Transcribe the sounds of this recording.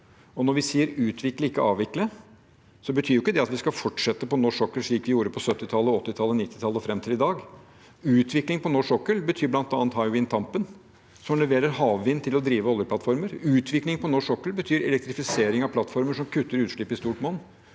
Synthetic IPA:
ɔnɔɾʋɪsiːəɾʉːt̪ʰʋɪkləɪkːəɑːʋɪklə | sɔbət̪ʰyːɾjʊɪkːəd̪ɛɑt̪ʋɪskɑfɔʈʂɛt̪ːəpɔnɔʂɔkːəlʂɭiːkʋɪjuːɾəpʰɔsœt̪ːɪt̪ʰɑlːəɔt̪ːɪt̪ʰɑlːənɪt̪ːɪ̥t̪ʰɑlːəɔfɾɛmt̪ʰɪlɪd̪ɑːɡ | ʉːt̪ʰʋɪklɪŋpʰɔnɔʂɔkːəlbət̪ʰyːɾblɑnt̪ɑːnt̪hɑɪwɪnt̪ʰɑmpən | sɔmlɛʋeːɾəɾhɑːʋʋɪnt̪ʰɪlɔd̪ɾiːʋəɔljəplɑt̪fɔɾməɾʉːt̪ʰʋɪklɪŋpʰɔnɔʂɔkːəlbət̪ʰyːɾɛ̰lɛkt̪ɾɪfɪseːɾɪŋɑʋpʰlɑt̪ːfɔɾməʂɔmkʰʉt̪ːəɾʉːt̪ʂɭɪpːɪst̪uːʈmoːn

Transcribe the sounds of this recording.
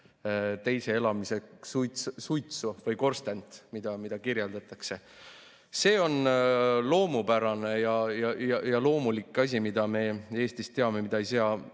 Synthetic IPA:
t̪e̞jse̞e̞lɑmise̞ksujt̪sujt̪suvɤjko̞rst̪ent̪mid̪̥ɑmid̪̥ɑkiɾjeld̪̥ɑt̪ˑɑkse̞ | se̞ːo̞nlo̞ːmupæɾɑne̞jɑjɑjɑjɑlo̞ːmulikːˑɑs̬ʲimid̪̥ɑme̞e̞ːst̪ist̪ːe̞ɑme̞mid̪̥ɑejs̬eɑ

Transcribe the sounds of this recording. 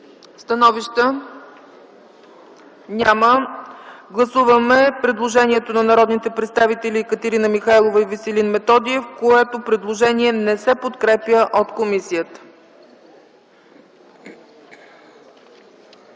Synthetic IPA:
st̪ɐnɔviʃt̪ə | nʲamə | ɡlˠɐsuvəmɛpɾɛd̪lˠoʒɛniɛt̪onɐnɐɾɔd̪nit̪ɛpɾɛt̪st̪avit̪ɛlʲikət̪ɛɾinəmixajlˠovəivisɛlinmɛt̪ɔd̪iɛfkoɛt̪opɾɛd̪lˠoʒɛniɛnɛsɛpot̪kɾɛpjəʔot̪komisijət̪ə̥

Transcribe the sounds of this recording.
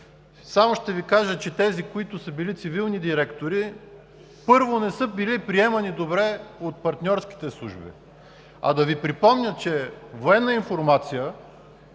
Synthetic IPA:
samoʃt̪ɛvikaʒət͡ʃɛt̪ɛzikoit̪ʊsɤbilit̪sivilˠnid̪iɾɛkt̪oɾi | pɤɾvonɛsɤbilipɾiɛmɐnid̪obɾɛot̪̚pɐɾt̪nʲɔɾsk̟i̥t̪ɛslˠṵʒbḭ | ɐ̰d̪ɐvipɾipɔmnʲət͡ʃɛvoɛnːəinfoɾmat̪sijə

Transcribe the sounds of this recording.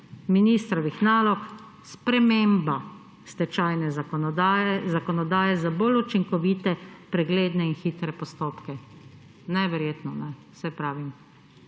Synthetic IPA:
minist̪ɾɔʋixnaːlɔk | spɾɛmeːmba | st̪ɛt͡ʃajnɛz | ɛzakɔnɔd̪aːjɛzabolut͡ʃiŋkɔʋiːt̪ɛpɾɛɡleːd̪nɛinxiːt̪ɾɛpɔst̪oːpkɛ | nɛʋɛɾjeːt̪nɔnɛ | sɛpɾaːʋim

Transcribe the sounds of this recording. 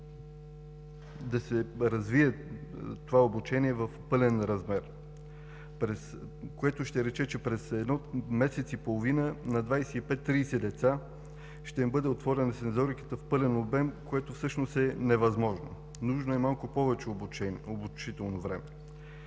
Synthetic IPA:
d̪ɐsɛɾɐzviɛt̪ovaobut͡ʃɛniɛvəfpɤlɛnɾɐzmɛɾ | pɾɛs | koɛt̪oʃt̪ɛɾɛt͡ʃɛt͡ʃɛpɾɛsɛd̪nɔmɛsɛt̪sipolˠovinənɐd̪vajsɛipɛt̪ːɾiːsɛd̪ɛt̪sa | ʃt̪ɛimbɤd̪ɛot̪vɔɾɛnɐsɛnzɔɾikə̥t̪əfpɤlɛnobɛmkoɛt̪ofsɤʃnost̪ɛnɛvɐzmɔʒno | nuʒnoɛmalˠkʊpɔvɛt͡ʃɛobut͡ʃit̪ɛlˠnovɾɛmɛ

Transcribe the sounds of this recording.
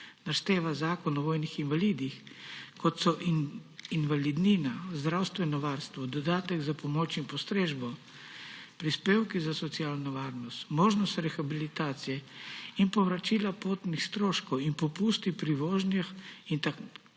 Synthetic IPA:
naʃt̪eːʋazaːkɔnɔʋɔːjnixinʋaliːd̪ixkɔt̪sɔʔinʋalid̪niːnazd̪ɾawst̪ʋɛnɔʋaːɾst̪ʋɔd̪ɔd̪aːt̪ɛɡzapɔmɔːt͡ʃinpɔst̪ɾeːʒbɔ | pɾispeːwkizasɔt̪sijaːlnɔʋaːɾnɔst̪moːʒnɔst̪ɾɛxabilit̪aːt̪sijɛinpɔʋɾat͡ʃilapoːt̪nixst̪ɾoːʃkɔwinpɔpuːst̪ipɾiʋoːʒnjɛxint̪a

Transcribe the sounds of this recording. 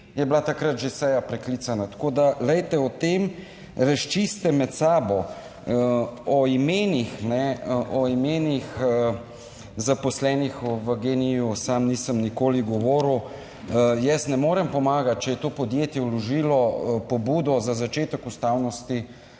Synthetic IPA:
jɛblat̪akɾat̪ʒesɛjapɾɛklit̪sanat̪ḁkoːd̪alɛjt̪ɛɔt̪em | ɾaʃt͡ʃist̪ɛmɛt̪saːbɔ | ɔimeːnixnɛʔɔimeːnixə | zapɔslɛːnixʋəɡenijusamniːsəmnikoːliɡɔʋoːɾuw | jɛsnɛmoːɾɛmpɔmaːɡat̪̚t͡ʃɛjɛt̪oːpɔd̪jeːt̪jɛwlɔʒilɔpɔbud̪ɔzazat͡ʃeːt̪əkust̪awnɔst̪i

